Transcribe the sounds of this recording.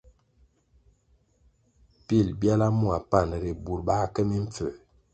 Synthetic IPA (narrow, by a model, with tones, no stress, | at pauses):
pi˦˨lbja˦la˦mu˦a˨pa˦˨n˨ɾi˨bu˨ɾba˦kə˦mi˦ɱ˦p͡fə˨